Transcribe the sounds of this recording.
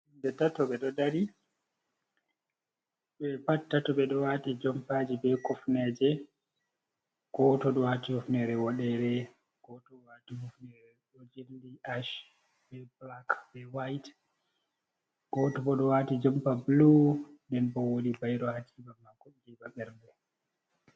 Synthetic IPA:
indɛtatɔɓɛɗɔdaɾi | ɓɛpatːatɔɓɛɗɔwatid͡ʒɔmpad͡ʒibɛkɔfnɛd͡ʒɛ | ɡ̥ɔtɔɗɔwatihɔfnɛɾɛwɔɗɛɾɛ | ɡ̥ɔtɔɔwatihufnɛɾɛɗɔd͡ʒendiʔaʃ | bɛblakbɛwajt | ɡ̥ɔtɔbɔɗɔwatid͡ʒɔmpablundɛnbɔwolibajɗɔhakʰibamːakːɔd͡ʒiɓaɓɛɾdɛ

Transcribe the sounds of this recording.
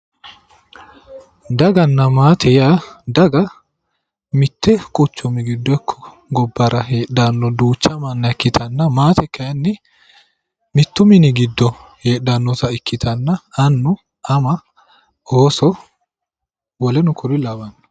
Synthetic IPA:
d̪ɐɡɐnːɐmaːt̪ʰɛjaːd̪ɐɡɐ | mɪt̪ːɛkʼʊt͡ʃːʊmɪɡɪd̪ːɔɛkʰːɔ̥ | ɡɔbːɐɾɐɦeːɗanːɔd̪uːt͡ʃːɐmɐnːɐɛkːɪt̪ʰɐnːɐmaːt̪ʰɛkʰːɐjɐnːɪ | mɪt̪ːʊmɪnɪɡɪd̪ːɔheːɗːɐnːɔt̪ɐɪkːɪt̪ʰɐnːɐɐnːʊ | ɐmɐ | oːsɔ | wɔlɛnʊkʊɾɪlɐbɐnːɐ̥

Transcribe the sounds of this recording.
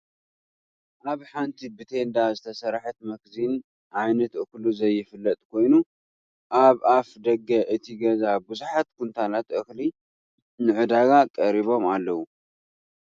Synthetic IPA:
ʔaβħant̪ʰibɨt̪ʰe̞nd̪azɨt̪ʰɐsɐɾaħɨt̪mɐɡzin | ʔajnɐt̪ɨkluzɐjːɪfɨlːɐt̪ʼkʰo̞jnu | ʔaβafd̪ɐɡːɐʔɨt̪ʰiɡɐzabɨzuħat̪kʰunt̪ʰanat̪ʔɨxli | nɨʕɨd̪aɡakʼɐɾiβo̞malːɐwu

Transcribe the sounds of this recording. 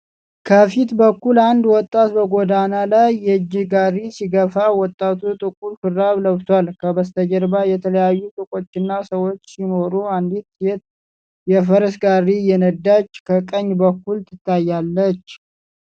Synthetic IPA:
kʰəfit̪bəkːuland̪wɔt̪ʼːat̪bəɡod̪analajːɛd͡ʒːɪɡarisiɡəfawɔt̪ʼːat̪ʰut̪ʼɨkʼuɾfɨɾːaβləβt̪ʰwalkʰəbəst̪ʰəd͡ʒəɾbajɛt̪ʰələjajːut̪ʼɨkʼo̞t͡ʃːɪnːasəwo̞t͡ʃːsino̞ɾuand̪it̪jet̪̚ | jɛfəɾəsɡarːijɛnəd̪ːat͡ʃːkʰəkʼəɲːbəkːult̪ʰɨt̪ʰːajːalːət͡ʃː

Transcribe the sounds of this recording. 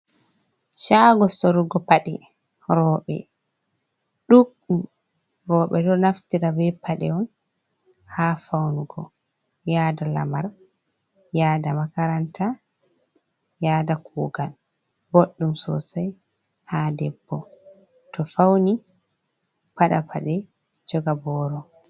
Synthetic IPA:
ʃaɡɔsoɾuɡɔpaɗḭ | ɾɔːɓɛ̰ | ɗukɗum | ɾɔːɓɛdɔnaftiɾabɛpaɗɛ̰ɔn | hafawnuɡɔ̰ | jaːdala̰maɾ | jaːdamakaɾantʰa | jaːdakuːɡal | boɗːumsɔ̰saj | haːdɛbːɔ | tɔfawni | paɗapʰaɗɛ | d͡ʒɔɡabɔːɾɔ

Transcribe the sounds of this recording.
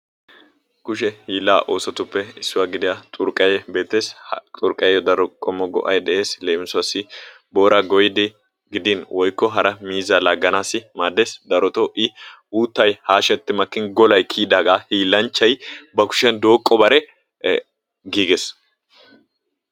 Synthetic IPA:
kʊʃɛhiːlːaːʔo̞ːsɔt̪ʊpːɛɪsːʊwaːɡɪd̪ɪjat̪ʼʊɾkʼːɐjɛbe̞ːt̪ːe̞ːst̪ʼʊɾkʼɐjɛjɔd̪ɐɾɔkʼɔmːɔɡɔ̰ʔɐjd̪ɛʔe̞ːsleːmɪsʊɐsɪ | bo̞ːɾɐɡɔjɪd̪ɪ | ɡɪd̪ɪnwɔjkːɔɦɐɾɐmiːzalaɡːɐnaːsɪmaːd̪ːeːsd̪ɐɾɔt̪ɔʔɪ | uːt̪ːɐjhaːʃɛt̪ːɪmɐkːɪnɡɔlɐjkʰiːd̪aːɡaːhiːlːɐnt͡ʃːɐjbɐkʊ̥ʃɛnd̪o̞ːkʼːɔbɐɾɛ | ɡiːɡes

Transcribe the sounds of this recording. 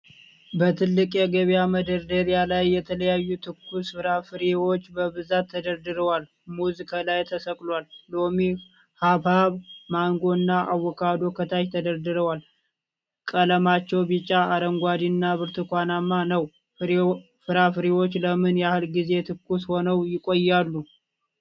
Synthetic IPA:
bət̪ʰɨlːɨkʼjɛɡəβijaməd̪əɾd̪əɾijalajːɛt̪ʰələjajːut̪ʰɨkʰːusɨɾafɨɾewo̞t͡ʃːbəβɨzat̪ʰːəd̪əɾd̪ɨɾəwal | muzikʰalajt̪ʰəsəkʼlwalːomi | haβhaβmaŋɡo̞ɨnːaʔawːɔkʰad̪o̞kʰət̪ʰaʃt̪ʰəd̪əɾd̪ɨɾəwal | kʼələmat͡ʃːɛwbit͡ʃʼːaːɾəŋɡʷad̪iɨnːaβɨɾt̪ʰɨkʷanamːanəw | fɨɾafɨɾewo̞t͡ʃːləmɨnjɛahɨlɡize̞t̪ʰɨkːusho̞nəwjɪkʼojːalːu

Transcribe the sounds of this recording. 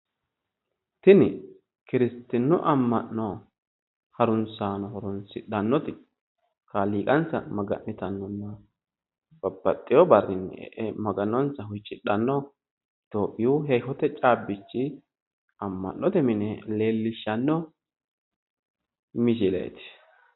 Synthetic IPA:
t̪ɪnɪ | kɪɾɪst̪ːɪnːʊʔɐmːɐnːɔ | hɐɾʊnt͡saːnɔhɔɾʊnsɪɗɐnːɔt̪ɪ | kaliːkʼɐnt͡sːɐ̰mɐɡɐ̰nːɪt̪ɐnːɔnːɐ | b̥ɐbːɐt̪ʼːɪjɔbɐrːɪn̰ːʔɛmɐɡɐnːɔnsɐhʊjt͡ʃʼːɪɗɐnːɔ | t̪oːpʼːɪjuɦɛjhɔt̪ɛt͡ʃʼaːbːɪt͡ʃːɪ | ɐmːɐ̰nːɔt̪ɛmɪnɛle̞ːlːɪʃːɐnːɔ | mɪʃ̬ɪlḛːt̪ɪ̥

